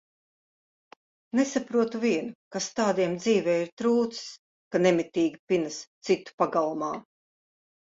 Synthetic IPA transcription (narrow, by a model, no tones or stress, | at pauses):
nesapɾuɔt̪uvʲiɛnukast̪aːd̪iɛmd̪ziːvɛːiɾt̪ɾuːt̪ss | kanemit̪ʲiːɡʲipinast̪sit̪ːu̥paɡalˠumaː